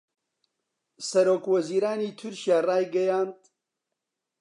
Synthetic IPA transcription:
sɐɾoːkwɐziːɾaːniːt̪ʰʊɾkijaːraːjɡɐjaːnd̪

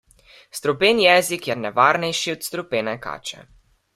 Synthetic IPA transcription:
st̪ɾɔpeːnjɛːzikjɛnɛʋaːɾnɛjʃiɔt̪st̪ɾupenɛka̰ːt͡ʃɛ̰

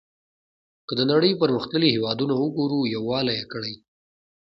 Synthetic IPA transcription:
kəd̪ənaɽəjpəɾməxt̪ləlihewɑd̪unaəɡoɾujawːɑlajekəɽaj

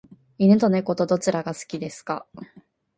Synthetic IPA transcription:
inɯ̟t̪o̞ne̞ko̞t̪o̞d̪o̞t͡ɕiɾaɡasɨ̥kʲid̪e̞sɨ̥ka̰

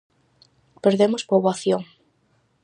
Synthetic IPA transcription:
peɾðemospoβwaθjoŋ

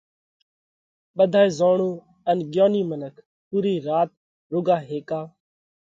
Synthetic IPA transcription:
ɓəd̪ʱaːeːzoːɳuː | ənɡjoːniːmənəkʰ | puːɾiːɾaːt̪̚ | ɾʊɡaːɦeːkaː

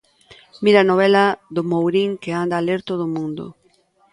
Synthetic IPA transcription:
miɾanoβ̞ɛlɐðomowɾiŋkeand̪aleɾt̪oðʊmũnd̪o̰

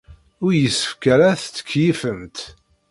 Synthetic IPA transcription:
ʊɾjəsːə̥fkəɾæθt͡sːə̥kʰːjifəmt̪

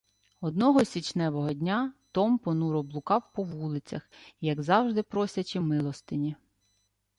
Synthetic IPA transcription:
ɔd̪nɔɦɔsʲit͡ʃnɛʋɔɦɔdʲnʲat̪ɔmpɔnuɾɔblˠʊkɑwpɔʋulˠɪt͡sʲɐ̰xijɐɡzɑwʒd̪ɪpɾɔsʲɐt͡ʃɪmɪlˠɔst̪ɪnʲi

